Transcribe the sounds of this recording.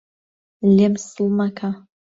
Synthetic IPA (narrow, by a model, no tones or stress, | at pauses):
lːemsulmakʰa